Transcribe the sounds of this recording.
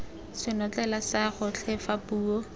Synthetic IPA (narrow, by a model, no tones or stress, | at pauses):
sɪnɔt͡ɬɛlasaχʊt͡ɬʰɛfapuːo